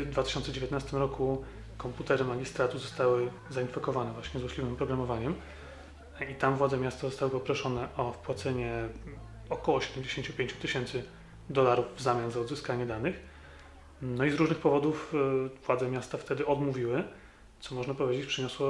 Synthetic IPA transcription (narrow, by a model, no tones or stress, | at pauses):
d̪vat̪ɪɕɔnt̪sɛd͡ʑevʲet̪nast̪ɘmɾɔku | kɔmput̪ɛɾɘmaɡʲist̪ɾat̪uzɔst̪awɘ | zainfɛkɔvanɛvwaɕɲɛzwɔɕʲlʲivɘmpɾɔɡɾamɔvaɲɛm | it̪amvwad̪zɛmʲjast̪azɔst̪awɘpɔpɾɔʂɔnɛʔɔfpwat̪sɛɲɛ | ɔkɔwɔːɕɛd̪ɛmd͡ʑeɕeɲt͡ɕupʲjẽɲt͡ɕu̥t̪ɘɕɛnt̪sɘ | d̪ɔlaɾuvvzamʲjazaɔd̪zɘskaɲɛd̪anɘx | nɔizɾuʐnɘxpɔvɔd̪ufvwad̪zɛmʲjast̪aft̪ɛd̪ɘɔd̪muvʲiwɘ | t̪sɔmɔʐnapɔvʲjed͡ʑet͡ɕpʂɛɲɔswɔ